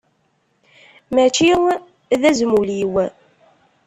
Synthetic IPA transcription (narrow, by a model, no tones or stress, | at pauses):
mæt͡ʃiw | ðæzmuliw